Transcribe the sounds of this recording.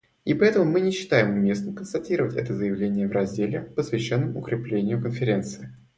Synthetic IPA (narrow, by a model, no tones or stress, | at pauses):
ipɐɛt̪əmʊmɨnʲɪɕːɪ̥t̪ajɪmʊmʲe̞snəmkənst̪ɐtʲiɾəvətʲɛ̰t̪əzəjɪvlʲenʲɪjəvɾɐzʲdʲelʲɪpəsvʲɪɕːonːɨmʊ̰kɾʲɪplʲenʲɪjʊkənfʲɪɾʲe̞nt̪sɨɪ